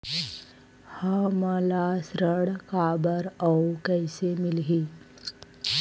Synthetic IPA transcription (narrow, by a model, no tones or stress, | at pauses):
hãməlasɾəɽkabəɾawkəjsemilɦi